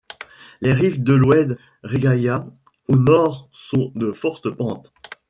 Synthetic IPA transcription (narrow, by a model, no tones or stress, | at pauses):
leʁivd̪əlwɛd̪ | ʁeɡaja | onɔʁsɔ̃d̪əfɔʁt̪əpɑ̃t̪